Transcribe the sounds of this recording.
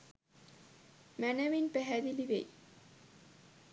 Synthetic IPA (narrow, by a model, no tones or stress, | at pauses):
mænəʋinpæɦæd̪iliʋḛj